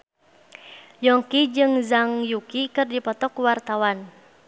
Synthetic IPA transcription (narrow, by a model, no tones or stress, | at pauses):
jɔŋkid͡ʒɨŋzaŋjukikɨrdipɔt̪ɔkuwart̪awan